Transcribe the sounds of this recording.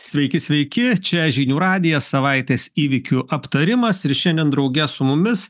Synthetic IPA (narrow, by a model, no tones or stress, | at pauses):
sʲʋʲɛɪkʲɪsʲʋʲɛɪkʲɪt͡ʃʲɛʒʲiːnʲuːɾɑːd̪ʲɪjɛsɐʋɐɪt̪ʲeːsiːʋʲɪkʲuʔɐpt̪ɐɾʲɪmɐsɪɾʃʲɛnʲd̪ʲɛnd̪ɾɒʊɡʲɛsʊmʊmʲɪs